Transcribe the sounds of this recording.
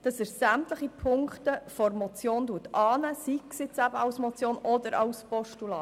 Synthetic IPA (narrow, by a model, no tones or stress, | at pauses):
d̥ɑsəɾsæmtləχipʰʊŋkχtəfɔɾmɔt͡sjoːnduətʰɑːnəsiksɪt͡sæbəɑwsmɔt͡sjoːnʔɔdəɾʔɑ̰wspɔʃtulɑː